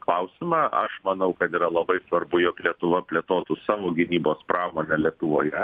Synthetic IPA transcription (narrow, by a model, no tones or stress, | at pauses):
klˠɐʊsʲɪmɑːʔɐ̰ʃmɐnɐʊkɐt̪iːɾɐlˠɐbɐɪsʋɐrbʊjoːklʲiɛt̪ʊʋɐpʲlʲeɛt̪oːt̪ʊsɑːʋoːɡʲɪnʲiːboːspɾɑːmoːnʲɛlʲiɛt̪ʊʋoːjɛ